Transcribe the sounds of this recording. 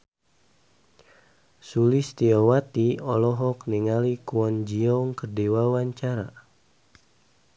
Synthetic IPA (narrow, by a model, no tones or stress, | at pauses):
sulist̪iɔwat̪iɔlɔɦɔkniŋalikuɔnd͡ʒiɔŋkərdiwawaɲt͡ʃaɾa̰